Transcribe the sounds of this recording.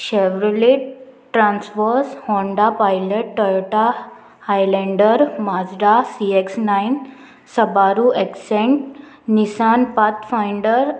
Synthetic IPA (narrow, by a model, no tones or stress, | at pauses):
ɕeʋɾuleʈʈɾãnsfəɾshɔ̃ɳɖapajleʈːəɭʈa | hajlẽɳɖəɾmad͡zɾasieksnain | səbaɾueksẽɳʈ | nisanpat̪fajɳɖəɾ